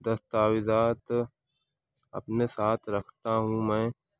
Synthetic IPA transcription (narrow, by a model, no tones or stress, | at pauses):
d̪ɐst̪aːwɪzaːt̪ | ɐ̰pnesaːt̪ʰɾɐkʰt̪aɦũmɛ̃ː